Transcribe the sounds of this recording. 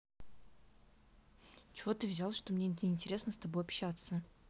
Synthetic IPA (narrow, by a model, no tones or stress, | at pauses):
t͡ɕɪvo̞t̪ɨvzʲalˠʂt̪o̞mnʲeɪːnʲtʲɪɾʲe̞snəst̪ɐbo̞jɐpɕat̪sə